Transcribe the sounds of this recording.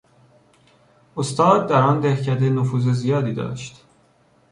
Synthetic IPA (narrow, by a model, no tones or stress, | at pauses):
ost̪ɒːd̪̚d̪æɾɒːnd̪ehcʰæd̪enofuːzezijɒːd̪iːd̪ɒ̰ːʃt̪